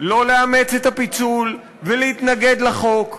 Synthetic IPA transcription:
lo̞leame̞t͡set̪hapit͡sul | velehit̪naɡe̞d̪laχo̞k

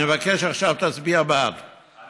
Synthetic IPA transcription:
evakeʃaχʃavt̪at͡sbiabad

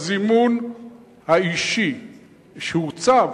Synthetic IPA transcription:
zimun | haiʃi | ʃeut͡sa

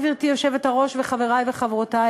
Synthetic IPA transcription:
viʁtijoʃevetaʁo̞ʃveχaveʁajveχavʁota

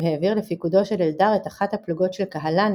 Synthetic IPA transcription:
heːviʁlefikudo̞ʃe̞leldaʁe̞taχathapluɡo̞tʃelkaɦalan

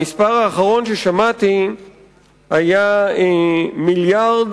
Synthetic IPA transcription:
ispaʁaːχaʁo̞nʃeʃamat̪i | haja | miljaʁd̪

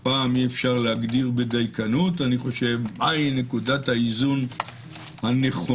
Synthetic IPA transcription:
paːmiefʃaʁleaɡdiʁbed̪ajkanutaniχo̞ʃe̞vʔajne̞kudathaizun | hane̞χo

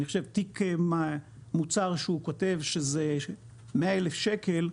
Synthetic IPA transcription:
niχoʃevtikemamut͡saʁʃeukote̞vʃeze | meaelefʃekel

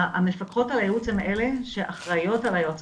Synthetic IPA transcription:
amefakχo̞talajeut͡shemʔele̞ʃeʔaχʁajo̞talajot͡s

